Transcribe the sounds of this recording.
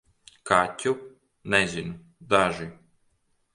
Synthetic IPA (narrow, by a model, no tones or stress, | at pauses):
kʰacʲu | nɛzʲinu | d̪aʒi